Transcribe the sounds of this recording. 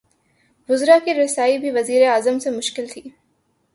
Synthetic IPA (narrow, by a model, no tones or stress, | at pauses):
ʋʊzɾakiɾɪsaːibʱiʋɐziːɾeaːzəmsemʊʃkɪlt̪ʰiː